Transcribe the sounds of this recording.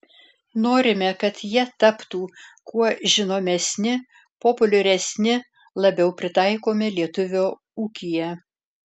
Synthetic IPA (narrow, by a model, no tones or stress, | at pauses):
noːɾʲɪmʲɛkɐt̪jiɛt̪ɐpt̪uːkuɔʒʲɪnoːmʲɛsʲnʲɪ | poːpʊlʲʊɾʲɛsʲnʲɪ | lˠɐbʲɛʊpʲɾʲɪt̪ɑɪkoːmʲɪlʲiɛt̪ʊʋʲoː | uːkʲɪjɛ